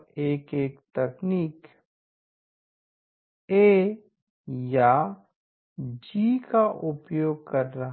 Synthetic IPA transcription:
eːkeːkt̪ɛkniːk | eː | ja | d͡ʒiːkaʔʊpjoːɡ̚kɐɾːɐɦ

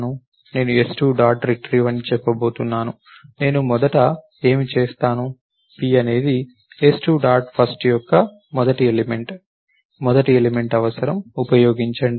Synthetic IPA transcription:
nu | ne̞ːnuesʈuːɖaːɾʈɾiʈɾiːʋɐnːit͡ʃɛpːɐbo̞ːt̪unːaːnu | ne̞ːnumɔd̪ɐʈɐ | e̞ːmit͡ʃeːst̪aːnu | piɐne̞ːd̪i | esʈuːɖaːɾʈpʰɐsʈjɔkːɐ | mɔd̪ɐʈielimeɳʈ | mɔd̪ɐʈielime̞ɳʈɐʋɐsɐɾɐmupɐjo̞ːɡiɲt͡ʃɐɳɖi

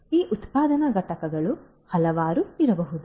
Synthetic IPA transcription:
iːʔut̪paːd̪ɐnɐɡɐʈɐkɐɡɐɭu | hɐlɐʋaːɾuiɾɐbɐɦud̪u

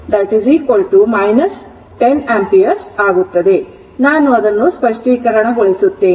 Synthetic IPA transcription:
d̪ɐʈiziːkʋɐlʈumɐjnɐs | ʈenampijɐɾsaːɡut̪ːɐd̪e̞ | naːnuɐd̪ɐnːuspɐʂʈʋiːkɐɾɐɳɐɦoɭisut̪ːeː

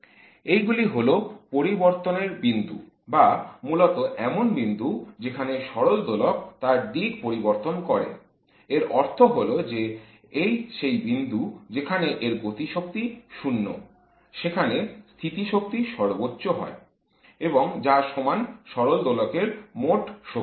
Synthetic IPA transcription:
ejɡuliɦolopoɾiboɾt̪oneɾbind̪ṵ | bamulot̪oʔɛmonbind̪ud͡ʑekʰaneʃɔɾold̪olokt̪aɾd̪iɡpoɾiboɾt̪onkɔɾḛ | eɾɔɾt̪ʰoɦolod͡ʑe | ejʃejbind̪ud͡ʑekʰaneʔeɾɡot̪iʃok̚t̪iʃunːo̰ | ʃekʰanest̪ʰit̪iʃok̚t̪iʃɔɾbotːɕoɦɔ̰e | eboŋd͡ʑaʃɔmanʃɔɾold̪olokeɾmoʈʃo

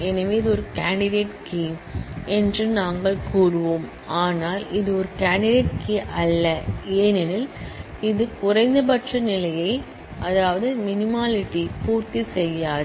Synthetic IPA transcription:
ɛnɐʋeːðɯɔɾɯkaːɳɖɪɽeːʈkimɛndrɯnaːŋɡɐɭkuːɾɯʋoːm | aːnaːlɪðɯɔɾɯkaːɳɖɪɖeːʈ̚kiʔɐlːɐeːnɛnɪlɪðɯkʊrɐɪnd̪ɐp̬ɐʈrɐnɪlɐjɐɪ | ɐðaːʋɐðɯmɪnɪmaːlɪʈːipuːɾt̪isɛjːaːð

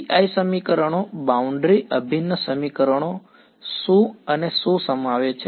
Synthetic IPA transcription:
iaisəmikəɾəɳ̃obauɳɖɾiʔəbʱinːəsəmikəɾəɳ̃o | sũənesusəmaʋet͡ʃʰe

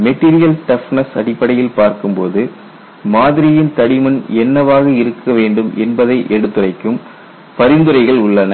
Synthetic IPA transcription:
mɛʈːiːɾɪjɐlʈɐfnɐsɐɽɪpːɐɽɐjɪlpaːɾkɯmpoːðɯ | maːðɪɾɪjɪnt̪ɐɽɪmɐnɛnːɐʋaːɣɐɪɾɯkʰːɐʋeːɳɖɯmʔɛnbɐðɐɪʔɛɽɯt̪ːɯrɐɪkːɯm | pɐɾɪnd̪ɯɾɐɪɣɐɭʊɭːɐnɐ

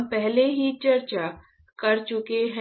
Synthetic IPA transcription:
mpɛɦleɦit͡ʃɐɾt͡ʃa | kɐɾt͡ʃʊkeɦɛ̃

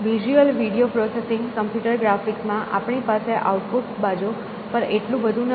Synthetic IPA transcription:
ʋid͡ʒuəlʋiɽiopɾɔsesɪ̃ŋɡkəmpjuʈəɾɡɾafiksmãʔa̰pɳipaseʔa̰uʈpuʈsbad͡ʒu | pəɾeʈlũʋəd̪ʱun

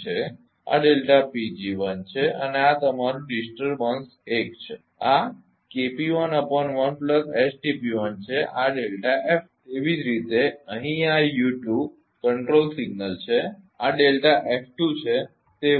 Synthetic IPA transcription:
t͡ʃʰe | a̰ɖelʈapid͡ʒiʋənt͡ʃʰeə̰neat̪əmaɾũɖisʈəɾbəns | ekt͡ʃʰe | a | kepiʋənəpɔnʋənpləsesʈepiʋənt͡ʃʰeʔaɖelʈaʔef | eʋid͡ʒɾit̪eəɦĩajuʈjub̚ | kəɳʈɾolsiɡnəlt͡ʃʰe | aɖelʈaʔefʰʈut͡ʃʰe | t̪e

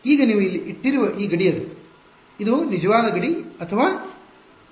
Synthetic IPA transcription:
iːɡɐniːʋuilːiʔiʈːiɾuʋɐʔiːɡɐɽijɐlːu | id̪unid͡ʒɐʋaːd̪ɐɡɐɽiɐt̪ʰɐʋaː

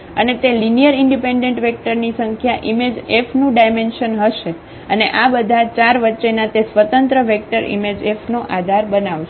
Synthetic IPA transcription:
ənet̪elinijəɾɪɳɖipeɳɖẽɳʈʋɛk̚ʈəɾnisəŋkʰjaʔimed͡ʒefʰnũɖajmenʃənɦəʃe | əneʔabəd̪ʱat͡ʃaɾʋətːʃenat̪esʋət̪ə̃nt̪ɾəʋek̚ʈəɾḭmed͡ʒefʰnoʔad̪ʱaɾbənaʋʃe

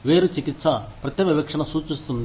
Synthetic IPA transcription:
ʋeːɾut͡ʃikit̪sɐpɾɐt̪ːɐʋibɐkʂɐɳɐsuːt͡ʃist̪und̪

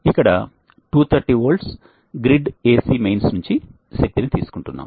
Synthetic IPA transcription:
ikːɐɽɐ | ʈuːt̪ʰɐɾʈiːʋoːɭɖs | ɡɾiɖeːsimejnsnuɲt͡ʃi | ʃek̚t̪init̪iːsu̥kuɳʈunːa̰ːm

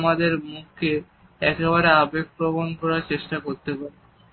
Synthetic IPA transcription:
mad̪eɾmuk̚ʰːe | ɛkeβaɾeabekːɾobonpɔɾaɾt͡ɕeʃʈakoɾt̪epaɾe

